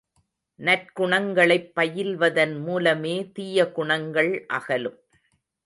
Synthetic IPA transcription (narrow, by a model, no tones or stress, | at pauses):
nɐrkʊɳɐŋɡɐɭɐɪpːɐjɪlʋɐðɐnmuːlɐmeːt̪iːjɐɡʊɳɐŋɡɐɭʔɐ̰ɣɐlɯm